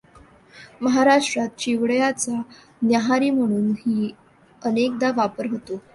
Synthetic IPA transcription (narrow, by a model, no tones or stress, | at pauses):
məɦaɾaʂʈɾat̪̚t͡ɕiʋɽjat͡sa | njaɦaɾiːm̤əɽ̃uːnɦiː | ənek̚d̪aʋapəɾɦot̪o